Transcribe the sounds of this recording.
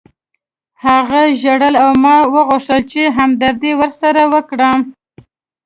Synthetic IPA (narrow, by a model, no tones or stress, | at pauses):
haɣaʒaɽəlawmɑwəɣʊʂt̪əlt͡ʃeɦamd̪aɾd̪ewəɾsaɾawəkɽəm